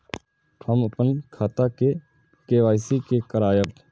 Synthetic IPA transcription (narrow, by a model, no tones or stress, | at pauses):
həməpənkʰaːt̪ake | keːʋaːɪsikekəɾaːjəp